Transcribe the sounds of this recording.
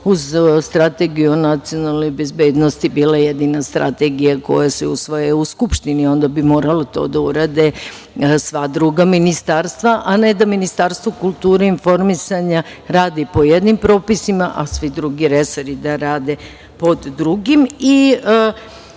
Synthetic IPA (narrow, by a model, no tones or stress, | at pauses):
uzst̪ɾat̪eɡijuonat̪sio̞nalˠnojbe̞zbeːd̪nost̪ibiːlaje̞d̪inast̪ɾa̰t̪e̞ɡijako̞̰jaseusʋojeuskupʃt̪inio̞nd̪abimo̞ːɾalot̪o̞̰ːd̪auɾaːd̪e | sʋad̪ɾuɡaminist̪aːɾst̪ʋaʔane̞d̪aminist̪aːɾst̪ʋokulˠt̪uːɾeinfo̞ɾmisaɲa | ɾaːd̪ipo̞jed̪nimpɾo̞ːpisimaʔasʋid̪ɾuɡiɾe̞soɾid̪aɾaːd̪e | po̞d̪ːɾuɡimi